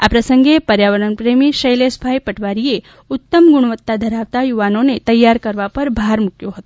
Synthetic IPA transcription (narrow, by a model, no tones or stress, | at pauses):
a̰pɾəsəŋɡepəɾjaʋəɾəɳpɾemiʃəjlesbʱajpəʈʋaɾie | ʊt̪ːəmɡuɽ̃ʋət̪ːad̪ʱəɾaʋt̪ajuʋanonet̪əjːaɾkəɾʋapəɾbʱaɾmukjoɦət̪o